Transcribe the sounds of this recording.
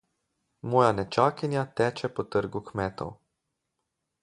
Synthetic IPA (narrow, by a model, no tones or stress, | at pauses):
mɔːjanɛt͡ʃaːkinjat̪ɛːt͡ʃɛpɔt̪əɾɡukmɛːt̪ɔ̰w